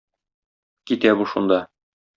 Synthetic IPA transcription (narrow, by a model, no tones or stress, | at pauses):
kit̪æbuʃṵnd̪ɑ